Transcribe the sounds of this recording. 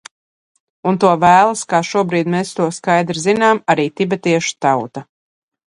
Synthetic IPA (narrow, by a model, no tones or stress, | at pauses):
unt̪uɔvæːlˠaskaːʃuɔbɾiːd̪meːst̪uɔskajd̪ɾizinaːmaɾiːt̪ʲibɛt̪iɛʃu̥t̪awt̪a